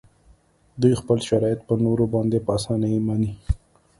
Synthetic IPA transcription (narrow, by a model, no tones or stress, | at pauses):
d̪ujxpəlʃaɾɑjɪt̪̚pənoɾobɑnd̪epəasɑnamani